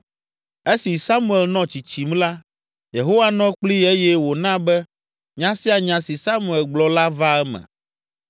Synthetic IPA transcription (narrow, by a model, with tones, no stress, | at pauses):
e˦si˨sa˦mũ˦˨e˨lnɔ̃˦t͡ʃi˨t͡ɕi˨m˦la˦ | je˨ɦo˦wa˦nɔ̃˦k͡pli˦e˦jɛ˦wo˨nã˦bɛ˦ | ɲã˦si˦a˨ɲã˨si˨sa˦mu˨e˨lɡ͡blɔ˦la˦va˦ɛ˦mɛ̰̃˨